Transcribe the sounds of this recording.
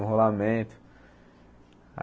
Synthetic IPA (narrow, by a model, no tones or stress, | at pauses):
ɦolamẽt̪ʰ | a̰